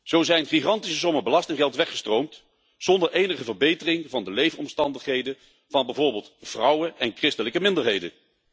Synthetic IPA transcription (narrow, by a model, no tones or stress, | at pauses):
z̥owzɛjnχiχɑntisəsɔməbəlɑstɪŋχɛlˠtʋɛχə̥strowmt | z̥ɔndəɹʔejnəχəvəɹbejtərɪŋvɑndəlejvənɔmstɑndəχɦejdə | v̥ɑnbɛjvʊːɹbɪːlˠtv̥rɑwəɛnkrɪstələkəmɪndəɹɦejdə̰n